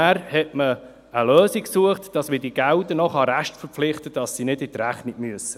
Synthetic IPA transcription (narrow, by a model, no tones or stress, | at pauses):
æːɾhɛtmə | əlœːsiksuəχtd̥ɑsmədiɡ̥æwdənɔχɑɾæʃtfəɾpflɪχt̪əd̥ɑsːinɪdɪt̪ɾæχnɪɡ̥myəsːə